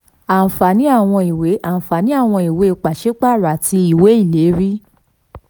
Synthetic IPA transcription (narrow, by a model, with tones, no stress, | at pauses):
ã˨fa˨nĩ˨˦a˦˨w̃ɔ̃˧i˨we˨˦ʔã˨fa˨nĩ˨˦a˦˨w̃ɔ̃˧i˨we˨˦˧k͡pa˨ʃe˨˦k͡pa˦˨ɾa˨ti˧i˨we˨˦i˦˨le˨˦ɾi˦